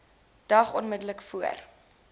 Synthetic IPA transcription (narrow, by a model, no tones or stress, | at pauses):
d̥ɐχɔnmədələkfuə̰r